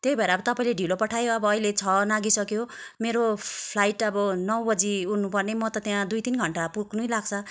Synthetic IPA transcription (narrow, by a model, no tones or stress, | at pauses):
t̪jejbʱʌɾaʌbʌt̪ʌpaĩleɖʱilopʌʈʰajoʌbʌːilet͡sʰʌnaɡisʌkjomeɾopʰlajʈʌbʌnʌwbʌd͡ziunnːupʌrnemʌt̪ʌt̪jãd̪ujt̪inɡʱʌɳʈapuknujlaɡt͡sʰʌ